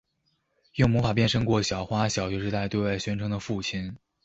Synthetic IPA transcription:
jʊ˥˩ŋmɔ˧˥fa˨˩p̬jɛ˥˩nʂɤ˥ŋkwɔ˥˩ɕjɑ˨˩ʊxwa˥ɕjɑ˨˩ʊt͡ɕɥɛ˧˥ʂɻ̩˥˧t̪a˥˧ɪt̪we˥˧wa˥˧ɪɕɥɛ˥nʈ͡ʂʰɤ˧˥ŋd̪ə˧fu˥˩t͡ɕʰi˥n

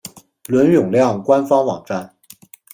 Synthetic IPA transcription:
lwə˧˥njʊ˨˩ŋljɑ˥˩ŋkwa˥nfɑ˥ŋwɑ̰˨˩ŋʈ͡ʂa˥˩n

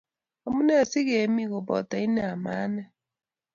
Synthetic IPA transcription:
a˨mu˦nɛ˦˨si˦ɣe˨mi˦ɣo˨bɔ̰˨ta˨i˦nɛ˦a˨ma̰˨˦nɛ˦

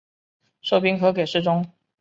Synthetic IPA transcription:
ʂo˥˩ʊpi˥ŋxɤ˧˥ke˨˩ɪʂɻ̩˥˩ʈ͡ʂʊ˥ŋ

